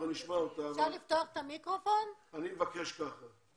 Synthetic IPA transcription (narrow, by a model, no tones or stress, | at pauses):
aniʃmaot̪aʃalift̪oaχet̪amikʁofo̞nanimevakeʃkaχa